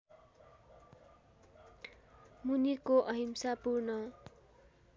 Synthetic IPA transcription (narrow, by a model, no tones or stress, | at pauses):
munikoʔʌɦimsapurnʌ